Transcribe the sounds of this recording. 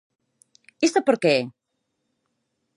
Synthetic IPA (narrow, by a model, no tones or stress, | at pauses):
ist̪apəɾke